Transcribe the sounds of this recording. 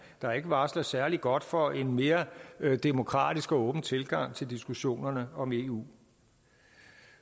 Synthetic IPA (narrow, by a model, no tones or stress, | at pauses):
d̥ɑ̈e̝ɡ̥əʋɑ̈ːslɐsæɐliɡ̥ɒ̽d̥fɒ̽e̝nme̝ːɐd̥e̝mo̝kʰʁɑ̰̈ːd̥isɡ̥ɔ̽ːb̥n̩t͡sʰe̝lɡ̥ɑ̈ŋ̰t͡sʰe̝ld̥isɡ̥uɕo̝̰ːnɐnəɒ̽me̝ːṵː